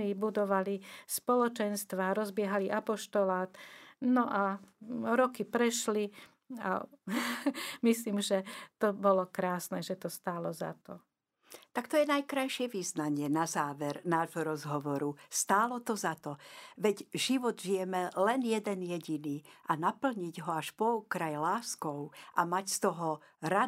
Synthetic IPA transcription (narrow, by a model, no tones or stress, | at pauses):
libud̪ɔʋalispɔlɔt͡ʃɛnst̪ʋaːɾɔzbɪɛɦaliʔapɔʃt̪ɔlaːt̪nɔʔa | ɾɔkipɾɛʃli | a̰ | misliːmʒɛt̪ɔbɔlɔkɾaːsnɛʒɛt̪ɔst̪aːlɔza̰t̪ɔ | t̪akt̪ɔjɛnajkɾajʃɪɛʋiznaɲɪɛnazaːʋɛɾnaːʒɦɔɾɔzɦɔʋɔɾust̪aːlɔt̪ɔzat̪ɔʋɛɟʒiʋɔd̪ʒijɛmɛlɛnjɛd̪ɛnjɛɟiniːʔanapl̩ɲiɟɦɔaʃpɔukɾajlaːskɔʊʔamacst̪ɔɦɔ | ɾa